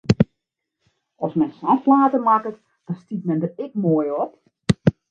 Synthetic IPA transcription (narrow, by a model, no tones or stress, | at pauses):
ɔsmɛnsaflaːtəmakət | d̥ɔnstit̚mɛndərɪkmoːjɔp